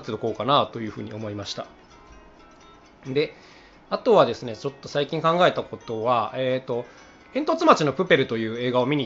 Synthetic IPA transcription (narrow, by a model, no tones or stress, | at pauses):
t̪ed̪oko̞ːkanat̪o̞jɯ̟ːɸɯ̟ːɲ̟io̞mo̞imaɕi̥t̪a | d̪e̞ | at̪o̞βad̪e̞sɨne̞t͡ɕo̞t̪ːo̞saikʲĩŋkãŋɡae̞t̪ako̞t̪o̞βaeːt̪o̞ | ẽ̞nt̪o̞t͡sɨmat͡ɕino̞pɯ̟pe̞ɾɯ̟t̪o̞jɯ̟ːe̞ːɡao̞mʲiɲ̟i